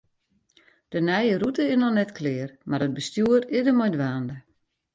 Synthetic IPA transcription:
d̥ənɛjərutəɪsnɔnɛtkʰlɪərmaɾəd̚bəstjuəɾɪdəmɔjdʋaːndə

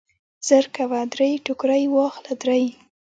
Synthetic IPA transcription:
z̥əɾkawad̪ɾejʈʊkɾajwɑxlad̪ɾaj

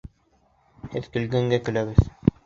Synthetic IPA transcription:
hɘðkɘ̆lɡæŋɡækɘ̆læβɘð

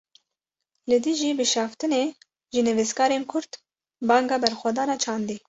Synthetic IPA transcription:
lɨd̪ɨʒiːbɨʃɑːft̪ɨneː | ʒɨnɨvɨskɑːɾeːnkʰʊɾt̪ | bɑːŋɡɑːbɛɾxʷwɑd̪ɑːnɑːt͡ʃʰɑːnd̪i

